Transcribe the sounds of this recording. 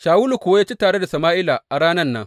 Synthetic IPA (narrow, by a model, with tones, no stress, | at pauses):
ʃaː˨wu˦lu˨kʷʊ˨wa˦jaː˦t͡ʃi˦taː˨ɽe˦da˨sɐ˨maː˦ʔɪ˦la˨ʔa˨ɽaː˦nɐ˦nːɐ̰˦ŋ